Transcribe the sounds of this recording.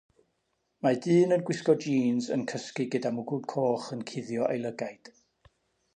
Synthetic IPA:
madɨːnənɡwɪskɔd͡ʒiːnzə̰nkʰəskɨɡədamuɡub̚kʰoːχənkʰɪðjɔʔejlˠəɡajd̥

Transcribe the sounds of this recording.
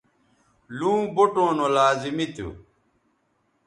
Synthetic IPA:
lũːboʈõːnolaːzimit̪ṵ

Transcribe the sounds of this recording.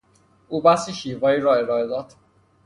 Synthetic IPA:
uːbæsiːʃiːvɒːiːɾɒːe̞ɾɒːe̞d̪ɒːd̪̥

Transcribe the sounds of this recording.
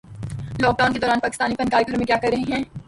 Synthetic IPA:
lɔːk̚ɖaːʊnked̪ɔːɾaːnpaːkɪst̪aːnipɐ̃nkaːliɡʱɐɾomẽkjaːkɐɾːɐɦeɦɛ̃ː

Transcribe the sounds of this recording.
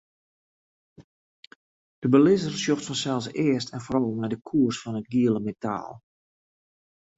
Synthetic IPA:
d̥əbəlɪzərsjoxtfɔnsɛlˠsɪəstʰɛnfɔɾɑlˠmɛjdəkʰuərsfɔnət̚ɡiəlˠəmeta̰ːlˠ

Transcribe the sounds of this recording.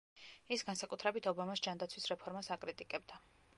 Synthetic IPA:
isɡansakʼut̪ʰɾɛbit̪ʰɔbamasd͡ʒand̪at̪sʰwisɾɛpʰɔɾmasakʼɾit̪ʼikʼɛbd̪a

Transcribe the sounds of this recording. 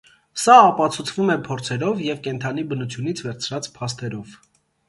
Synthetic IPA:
sɑɑpɑt͡sʰut͡sʰvumɛpʰɔɾt͡sʰɛɾɔvjɛvkɛnt̪ʰɑnibənut͡sʰjunit͡sʰvɛɾt͡sʰɾɑt͡spʰɑst̪ɛɾɔv

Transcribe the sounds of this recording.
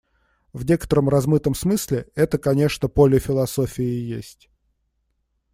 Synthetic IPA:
vnʲe̞kə̥t̪əɾəmrɐzmɨt̪əmsmɨsʲlʲɪɛt̪əkɐnʲe̞ʂnəpolʲɪfʲɪlˠɐso̞fʲɪɪjḛsʲtʲ

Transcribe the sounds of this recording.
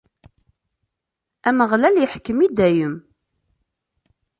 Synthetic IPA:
æməʁlæljəħkːəmid̪æjəm

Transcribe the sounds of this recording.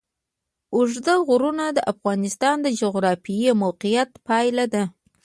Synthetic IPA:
ʊʐd̪əɣʊɾunad̪əʔafɣɑnɪst̪ɑnd̪əd͡ʒoɣɾɑfiimowqijat̪pɑjlad̪a

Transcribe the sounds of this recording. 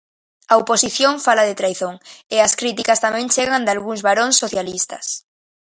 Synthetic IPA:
ɐoposiθjõɱfalaðɪt̪ɾajθoŋɪɐskɾit̪ikɐst̪amɛ̃ŋt͡ʃeɣand̪alɣuŋzβaɾoŋsːoθjalist̪ɐs

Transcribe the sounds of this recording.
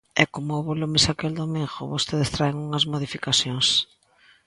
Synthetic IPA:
ɛkomʊːβolumɪsakeld̪omiŋɣo̰βost̪eðɪst̪ɾaeŋuŋɐzmoðifikaθjoŋs

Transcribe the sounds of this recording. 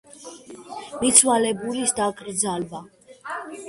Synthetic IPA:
mit̪sʰwalɛbulisd̪akʼɾd̪zalba

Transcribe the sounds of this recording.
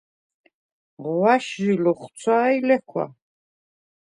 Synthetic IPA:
ʁwaʃʒilɔχt̪t͡sʰaːilɛkʰwa̰

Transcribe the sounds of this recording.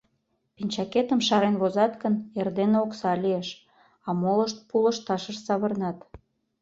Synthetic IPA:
pinʲt͡ɕɑket̪əmʃɑɾenβozɑt̪kənerd̪enoksɑlʲieʃ | ɑmoləʃt̪̚puləʃt̪ɑʃəʃsɑβərnɑt̪

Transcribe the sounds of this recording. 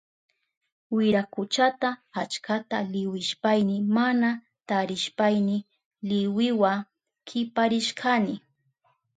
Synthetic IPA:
wɪɾakʊt͡ʃat̪aat͡ʃkat̪alɪwɪʃpajnɪmana | t̪aɾɪʃpajnɪ | lɪwɪwa | kʰɪpaɾɪʃkʰanɪ

